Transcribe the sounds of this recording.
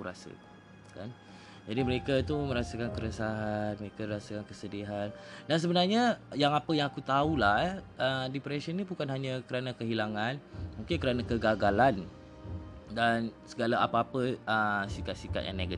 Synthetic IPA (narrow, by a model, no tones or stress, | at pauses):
uɾa̰sə̰ | kan | d͡ʒadiməɾekat̪uməɾasəkankəɾəsaɦanməɾekaɾasəkankəsədiɦandans̬əbənarɲajaŋapəjaŋakut̪aulaədipɾɛʃənibukanɦaɲakəɾanakəɦilaŋãnmuŋkɪnkəɾanakəɡaɡalan | dansəɡalaapaapəəsikat̪̚sika̰t̪ja̰ŋneɡə